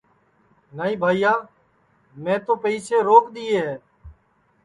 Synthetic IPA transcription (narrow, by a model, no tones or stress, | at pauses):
nəːĩːbʱaːiːjaː | mẽːt̪oːpəiːseːɾoːkɗ̪iːeːɦeː